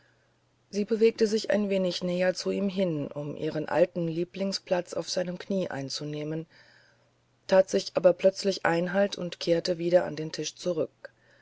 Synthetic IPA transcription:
z̥iːbəveːk̚təzɪçʔa̰ɪnveːnɪçnɛːɐt͡suiːmɦɪnʔʊmʔḭːʁənʔa̰ltn̩liːplɪŋspl̥at͡sa̰ʊfz̥aɪnəmkʰniːʔa̰ɪnt͡suneːmən | tʰaːtz̥ɪçʔaːbɐpl̥œt͡slɪçʔaɪnɦaltʰʊntkʰeːɐtəviːɾɐʔa̰ndeːntʰɪʃt͡suʁ̞ʏk̚

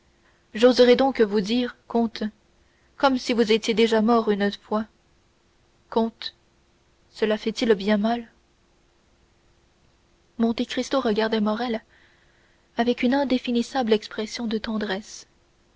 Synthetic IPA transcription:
ʒozʁɛd̪ɔ̃kvud̪iːʁkɔ̃t̪ | kɔmsivuzet̪jed̪eʒamɔʁynofwa | kɔ̃t̪ | səlafɛt̪ilbjɛ̃mal | mɔ̃t̪ekχist̪oʁəɡaʁd̪ɛmɔʁɛl | avɛkynɛ̃d̪efinisablɛkspχɛsjɔ̃d̪ət̪ɑ̃d̪ʁɛs

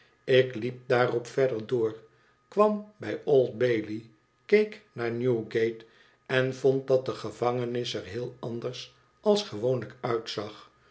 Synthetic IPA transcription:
ɪklip̚daːrɔpfɛɹdəɹdʊːɹ | kʋɑmbɛjolˠd̚bejli | kejknaːɹnjuɡejt | ɛnvɔnt̚dɑt̚dəχəv̥ɑŋənɪsɛɹɦɪːlˠɑndəɹs | ʔɑlˠsχəʋownləkœɥtsɑχ

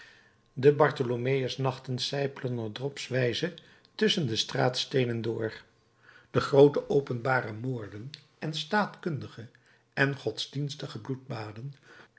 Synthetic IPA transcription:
dəbɑɹtolomejəsnɑχtənsɛjpələnədrɔpsʋɛjzə | tɵsəndəstraːtstejnəndʊːɹ | d̥əχrowtəʔowpənbaːrəmʊːɹdən | ʔɛnstaːtkɵndəχə | ɛnχɔtzdinstəχəblud̚baːdən

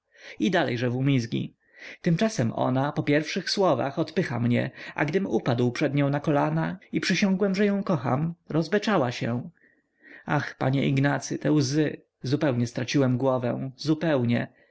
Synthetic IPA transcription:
id̪alɛ̰jʐɛvumʲizɡʲḭ | t̪ɘmt͡ʂasɛmʔɔ̰napɔpʲjɛɾfʂɘxswɔva̰xɔt̪pɘxamɲɛ̰a̰ɡd̪ɘmupad̪wpʂɛd̪ɲɔ̃w̃nakɔlanaipʂɘɕɔ̃ŋɡwɛmʐɛjɔ̃w̃kɔxa̰mɾɔzbɛt͡ʂawaɕɛ̰ | axpa̰ɲɛʔiɡnat̪sɘt̪ɛwzɘ | zupɛwɲɛst̪ɾat͡ɕiwɛmɡwɔvɛw̃zupɛwɲɛ

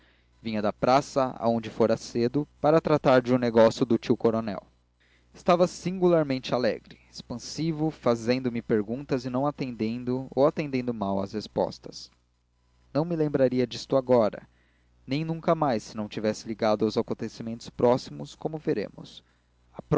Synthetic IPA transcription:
vĩɲɐd̪ɐpɾasɐa̰õd͡ʒɪfoɾɐsed̪ʊpaɾɐt̪ɾat̪aɾd͡ʒɪũneɡɔsjʊd̪ʊt͡ʃiwkoɾonɛ̰w | ɪst̪avɐsĩŋɡulaɾmẽnt͡ʃɪalɛ̰ɡɾɪespɐ̃sivʊfazẽnd̪ʊmɪpeɾɡũt̪ɐzɪnɐ̃w̃at̪ẽnd̪ẽnd̪ʊo̰wat̪ẽnd̪ẽnd̪ʊmawɐ̰shespɔ̰st̪ɐ̥s | nɐ̃w̃mɪlẽmbɾaɾiɐd͡ʒist̪ʊaɡɔɾɐ̰ | nẽj̃nũŋkɐmajsːɪnɐ̃w̃t͡ʃivɛsɪliɡad̪ʊawzakõnt̪esimẽnt̪ʊ̥spɾɔsimʊskõmʊveɾḛ̃mʊ̰s | ɐpɾ

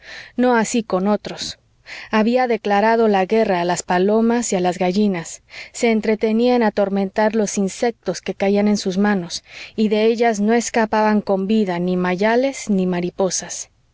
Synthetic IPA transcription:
no̞asiko̞no̞t̪ɾo̞s | aβiaðe̞klaɾað̞o̞laɣe̞raːlaspalo̞masialazɣaʝinasːe̞ːnt̪ɾe̞t̪e̞niaenat̪o̞ɾmẽ̞nt̪aɾlo̞sinse̞k̚t̪o̞ske̞kaiane̞nsuzmãno̞siðe̞e̞ʝazno̞e̞skapaβaŋko̞mbiðanimaʝale̞znimaɾipo̞sas

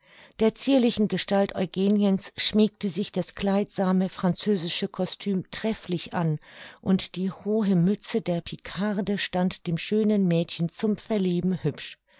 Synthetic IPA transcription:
d̥eːɐt͡siːɐlɪçn̩ɡəʃtaltʔɔ̰ʏɡeːnjənsʃmiːk̚təzɪçd̥asɡ̥laɪtz̥aːməfʁ̥ant͡søːzɪʃəkʰɔstʰyːmtʁ̥ɛflɪçʔa̰nʔʊntd̥iːhoːɦəmʏt͡sədeːɐpʰikʰaʁdəʃtantd̥eːmʃøːnənmɛːtçənt͡sʊmfɛɐliːbm̩hʏpʃ

